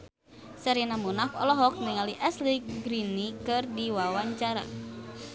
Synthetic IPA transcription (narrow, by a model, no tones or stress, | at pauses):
səɾinamunakɔ̰lɔɦɔk̚niŋaliʔɛslikɡɾinikɨrdiwawaɲt͡ʃaɾa̰